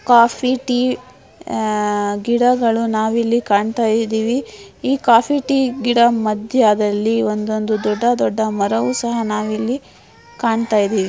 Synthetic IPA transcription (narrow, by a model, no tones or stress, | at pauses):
kaːpʰiʈiː | ɡiɽɐɡɐɭunaːʋilːikaːɳt̪aːjid̪iːʋiiːkaːpʰiʈiːɡiɽɐmɐd̪ʱjɐd̪ɐlːiond̪ond̪ud̪ɔɖːɐd̪ɔɖːɐmɐɾɐʋuːsɐɦɐnaːʋilːi | kaːɳt̪aːjid̪iːʋi